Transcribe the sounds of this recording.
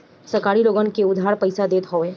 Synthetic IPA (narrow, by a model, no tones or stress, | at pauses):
səɾkaːɾiloːɡənkeʊd̪ʱɦaːɾpɐɪsad̪eːt̪ɦɔːẽː